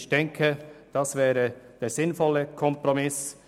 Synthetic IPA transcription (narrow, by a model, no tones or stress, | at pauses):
çd̥ɛŋkʰəd̥ɑsvɛːɾəd̥eːɾz̥ɪnfɔlːəkʰɔmpʁɔmɪs